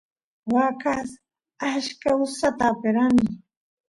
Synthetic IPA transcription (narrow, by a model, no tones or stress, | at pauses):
wakas | aʃkaʊsat̪apɪɾani